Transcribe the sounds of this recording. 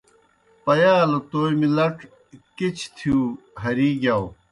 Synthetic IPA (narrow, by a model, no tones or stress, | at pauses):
pɐjaːlot̪oːjmilɐʈ | kit͡ɕʰt̪ʰjuː | ɦɐɾiːɡjaw